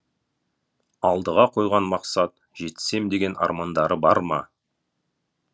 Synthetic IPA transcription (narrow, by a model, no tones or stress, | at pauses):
ɑlˠd̪əʁɑqʰo̞jʁɑnmɑqsɑt̪̚ | ʒ̥e̞t̪se̞md̪e̞ɡʲe̞nɑ̰ɾmɑnd̪ɑɾəbɑɾmɑ